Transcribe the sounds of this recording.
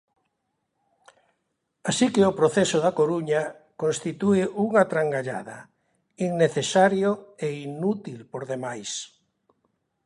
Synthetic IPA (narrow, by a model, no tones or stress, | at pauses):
asikɪopɾoθɛsoðakoɾuɲɐ | kõnst̪it̪uɪʔuŋat̪ɾaŋɡaʎa̰ðɐ̰ | iŋneθesaɾjoeinut̪ilpoɾðemajs